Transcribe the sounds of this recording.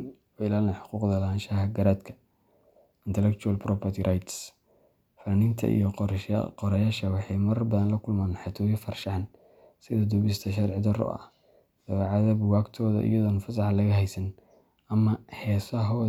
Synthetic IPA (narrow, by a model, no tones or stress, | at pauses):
ɔɪlaːlɛnħʊ̥quːqd̪ɐlɐaːnʃɐhɐɡɐɾaːd̪kʰɐ̥ | ɪnt̪ʰɛlɛk̚t͡ʃʰuɾɐlpɾɔpʰɐrt̪ʰiɾʔajt̪s | fɐnɪnt̪ʰɐ̰ʔḭjɔqqɔɾɐjaːʃɐwɑħɑjmɐɾrbɐðɐnlɐkʰʊlmaːnħɑt̪ʰuːjɐfɐrʃɑn | sɪðɐd̪uβɪst̪ʰɐʃ̬ɐrʕɪd̪ɐɾɔ̰ɐ̰h | d̪̥ɐβɛʕɑðɐbwaːɡt̪ʰɔːðɐ̰ʔɪ̰jɐðɔnɐfɐsɑħɑlɐɣɐɦɛjsɐn | ɐmɐhɛːsɐɦɔ